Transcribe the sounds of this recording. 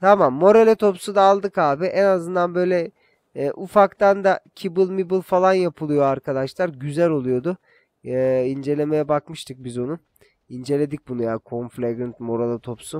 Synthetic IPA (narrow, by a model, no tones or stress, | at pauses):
t̪ʰamamːo̞ɾelʲet̪ʰo̞psud̪aːlˠd̪ɯkaːbiʔɛnazɯnd̪anbø̞jlʲɛː | ʔufakt̪and̪acʰibɯlˠmibɯlˠfalˠanjapʰɯlˠɯjo̞aɾkʰad̪aʃlˠaɾɟyzælʲo̞lˠujo̞d̪ʊ | ind͡ʒe̞lʲe̞me̞jɛbakmɯʃt̪ʰɯk̚bizo̞nu | ind͡ʒe̞lʲed̪ic̚ʲbunujakʰo̞nflʲeɡɾɯnt̪mo̞ɾelʲˠat̪ʰo̞psu